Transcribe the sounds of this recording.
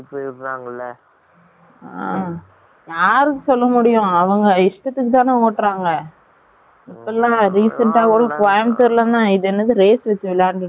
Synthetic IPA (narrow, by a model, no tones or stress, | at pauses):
pːɾːaːŋɡɐlːɐ | a | jaːɾɯkːɯsɔlːɐmʊɽɪjʊ̃ɐʋɐŋɡɐɪʂʈɐt̪ːɯkːɯt̪ãːnɯ̃oːʈːɾaːŋɡɐ | ɪpːlːãːɾiːsɐɳʈaːkuːɽɐpaːjmt̪ɯɾlɐnd̪ãːɪðɛnːɐðɯɾeːsʋɛt͡ʃːɯʋɪlːaːnɯ